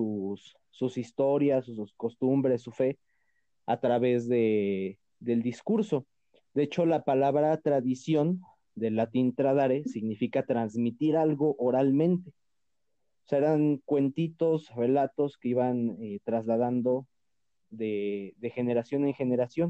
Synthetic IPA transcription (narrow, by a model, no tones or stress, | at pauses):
usː | usist̪o̞ɾjasusko̞st̪umbɾe̞sːufe̞ | a̰t̪ɾaβe̞zðe̞ | d̪e̞ld̪iskuɾso̞ | d̪eet͡ʃo̞lapalaβɾat̪ɾaðisjo̞n | d̪e̞lat̪int̪ɾaðaɾesiɣnifikat̪ɾanzmit̪iɾalɣo̞ʔoɾalmẽ̞nt̪e̞ | oseɾaŋkwe̞nt̪it̪o̞sre̞lat̪o̞ske̞iβanet̪ɾazlað̞and̪o̞ | ðeðe̞xe̞ne̞ɾasjo̞neŋxe̞ne̞ɾasjon